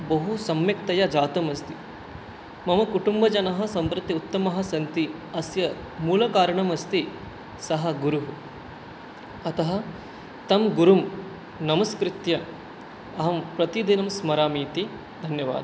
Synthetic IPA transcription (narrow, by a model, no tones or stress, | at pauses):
bɐɦusɐmjɐkt̪ɐjɐd͡ʒaːt̪ɐmɐst̪i | mɐmɐkuʈumbɐd͡ʒɐnɐɦɐsɐmpɾɐt̪ːiut̪ːɐmɐɦɐ̆sɐnt̪iɐsjɐ | muːlɐkaːɾɐɳɐmɐst̪i | sɐɦɐ̆ɡuɾuɦu | ɐt̪ɐɦɐ | t̪ɐmɡuɾum | nɐmɐskɾɪt̪jɐ | ɐɦɐmpɾɐt̪id̪inɐmsmɐɾaːmiːt̪i | d̪ʱɐnjɐʋa̰ːd̪ɐ